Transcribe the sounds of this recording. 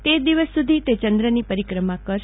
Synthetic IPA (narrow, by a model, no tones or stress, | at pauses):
t̪ed̪iʋəsːud̪ʱit̪et͡ʃənd̪ɾənipəɾikɾəmãkəɾʃ